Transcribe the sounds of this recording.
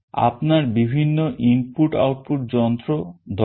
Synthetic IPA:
a̰pnaɾbibʱinːoʔimpuʈa̰wʈ̚pʰuʈ̚d͡ʑɔnt̪ɾod̪ʱɔ

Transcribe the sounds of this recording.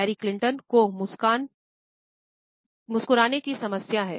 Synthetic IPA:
ɛːɾiklɪ̃ɳʈənkomʊkːn | mʊskʊɾaːnekisɐməsjaɦɛ̰ː

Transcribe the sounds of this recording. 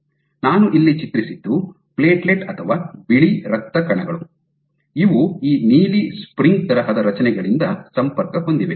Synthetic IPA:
naːnuʔilːit͡ʃit̪ɾisid̪ːu | pleːʈleʈɐt̪ʰɐʋaːbiɭiɾɐk̚t̪ːɐkɐɳɐɡɐɭu | iʋuiːniːlispɾiŋɡt̪ɐɾɐɦɐd̪ɐɾɐt͡ʃɐnɛɡɐɭind̪ɐsɐmpɐɾkɐɦo̞nd̪iʋe

